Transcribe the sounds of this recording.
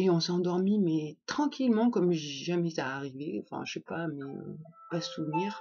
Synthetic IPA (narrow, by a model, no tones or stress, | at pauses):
eɔ̃sɑ̃d̪ɔʁmimɛt̪χɑ̃kʲʰilmɑ̃kɔmʒiʒamɛzaːʁiveɑ̰̃fɛ̰̃ʃɛpamɛø̰pasuvniːʁ